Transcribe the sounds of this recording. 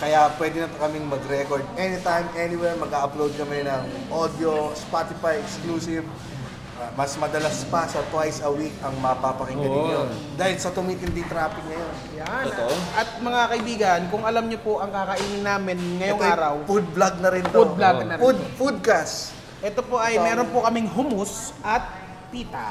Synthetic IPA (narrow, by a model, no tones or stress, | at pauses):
kɐjapwɛːd̪ɪnɐt̪kɐmɪŋmɐɡɾɛkoɹd̪̚ɛnɪt̪ajmʔɛnɪwɛɹmɐɡaʔɐplowd̪̚kɐmɛnɐŋ | ʔod̪jospat̪ɪfajɛkskluːsɪv | mɐsmɐd̪ɐlaspɐsɐt̪wajsɐwikɐŋmɐpapɐkɪŋɡɐlɪod̪aːhɪlsɐt̪ʊmiːt̪ɪnd̪ɪŋt̪ɾaːpɪk̚nɐjonjanʔɐt̪̚mɐŋakɐʔɪbiːɡɐnkʊŋʔɐlɐmɲopoʔɐŋkakɐʔiːnɪŋnaːmɪnŋɐjoŋaːɾɐwfud̪̚blaɡ̚nɐɾɪnt̪od̪̚blanɐfud̪fud̪̚kas | ʔɛt̪opo̞ʔɐjmɛːɾonpokɐmɪŋɦʊmʊsʔɐt̪̚ | piːt̪a